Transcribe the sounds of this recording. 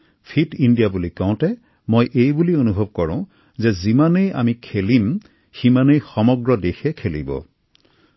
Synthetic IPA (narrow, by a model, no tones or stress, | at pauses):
pʰidindijabulikɔʊ̃tɛ | mojʔejbulionubʱob̚kɔɹɔ̃ | zɛzimaneja̰mikʰelim | ximanejxɔmɔɡɹɔdexɛkʰelḭbɔ̰